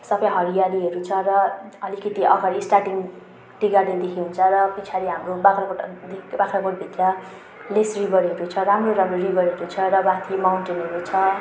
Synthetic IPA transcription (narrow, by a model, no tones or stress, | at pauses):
sʌbʌjɦʌɾijaɾiɦʌɾut͡sʰʌrʌʌlikʌt̪iʌ̰ɡʌɾisʈarʈiŋ | ʈiɡaded̪ekʰiɦunt͡sʰʌrʌpit͡sʰaɾiɦamrobakʰrakoʈad̪ikbakʰraɡoʈ̚bʱit̪rʌ | lesribʱʌɾɦʌɾut͡sʰʌramroɾamroribʌrɦʌɾut͡sʰʌrʌbãt̪ʰimawɳʈenɦʌɾut͡sʰʌ